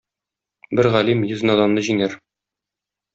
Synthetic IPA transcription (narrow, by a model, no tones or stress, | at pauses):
bɘɾʁælimjɵ̆zɘ̆nɒd̪ɑnnɤʑiŋæɾ